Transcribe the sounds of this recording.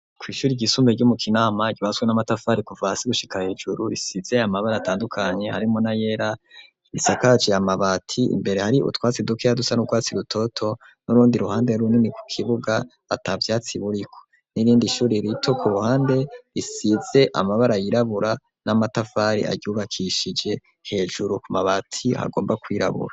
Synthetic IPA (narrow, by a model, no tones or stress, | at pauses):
kwiːʃuːɾiɟisumbeɾɟumukʰinaːmaɟiβaswenamatafaːɾikuvasiɡuʃi̥kahe̞ːd͡ʒuɾuɾisize̞amaβaɾaːtaːndukʰaɲe̞haɾimo̞naje̞ɾa | isakat͡ʃeamaβatʰiḭmbe̞ɾe̞haɾiʔṵtwaːt͡sidukeadusanutwaːt͡siɾutʰo̞tʰo̞ | nuɾuːndiɾuhaːndeɾuniniku̥kʰiβuɡaː | tavjaːt͡siβuɾikʰo̥ | niɾiːndiʃuːɾiɾitʰo̞kuɾuhaːnde̞ɾisiz̥e̞ʔa̰maβaɾajiɾaβuɾa | namatafaːɾḭa̰ɟuːβakʰiʃid͡ʒe̞ | he̞ːʒuɾukumaβatʰiha̰ɡo̞ːmbakwiːɾa̰βṵɾa